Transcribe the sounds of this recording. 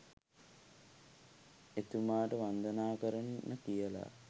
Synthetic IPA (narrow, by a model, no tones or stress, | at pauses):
et̪umaːʈəʋand̪ənaːkəɾɐnːəkijəla̰